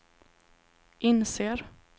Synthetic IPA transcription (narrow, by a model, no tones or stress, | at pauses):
ʔɪnseːɾ